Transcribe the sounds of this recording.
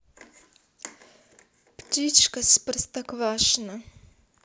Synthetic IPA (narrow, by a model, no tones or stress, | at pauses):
ptʲit͡ʃkɐspərst̪ɐkvaʂna